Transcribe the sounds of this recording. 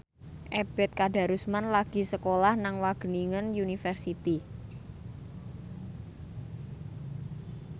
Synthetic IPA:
ʔeb̥ɛt̪̚kaɖa̤ɾusmanlaɡ̥i̤səkolahnaŋwaɡ̥ə̤niŋənjunifɛrsit̪i

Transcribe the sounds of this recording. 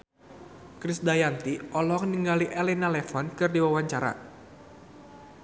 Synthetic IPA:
kɾɪsdajant̪iɔlɔŋniŋɡaliʔɛlɛnalɛfɔnkɨrdiwawaɲt͡ʃaɾa̰

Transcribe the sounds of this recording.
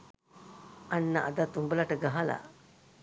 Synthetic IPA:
ɐnːɐʔɐd̪at̪umbəlɐʈəɡaɦɐla̰

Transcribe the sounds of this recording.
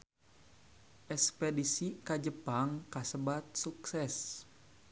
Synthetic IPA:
ʔɛspedisikad͡ʒəpaŋkasəbat̪̚suksɛs

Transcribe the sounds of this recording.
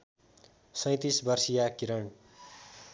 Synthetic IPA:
sʌj̃t̪isbʌrsijakiɾʌɳ

